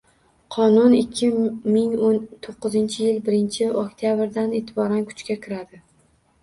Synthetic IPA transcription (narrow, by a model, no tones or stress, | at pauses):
qʰɒnʊnɪkʲʰːɪmɪŋont̪ʰoqːɨzɪnt͡ʃʰɪjɪlbɪɾɪnt͡ʃʰɪokt̪ʰjabɾd̪ane̞ːt̪ʰɪbɒɾankʰʊ̥t͡ʃkʲakʲʰɪɾad̪ɪ